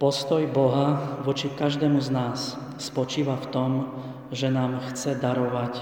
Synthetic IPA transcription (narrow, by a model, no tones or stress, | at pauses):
pɔst̪ɔjbɔɦaʋɔt͡ʃikaʒd̪ɛːmuznaːsː | pɔt͡ʃiːʋaft̪ɔm | ʒɛnaːmxt͡sɛd̪aɾɔʋac